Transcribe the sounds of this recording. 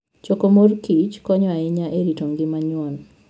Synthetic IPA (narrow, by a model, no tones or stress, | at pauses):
t͡ʃokomorkit͡ʃkɔɲɔaɪɲaʔeɾitoŋɡɪmaɲwɔn